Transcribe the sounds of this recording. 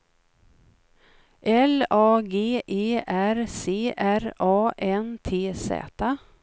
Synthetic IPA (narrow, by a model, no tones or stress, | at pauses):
ʔɛlɑːɡeːʔeːʔæɾseːʔæɾɑːʔɛnt̪ʰeːsɛ̰ːt̪a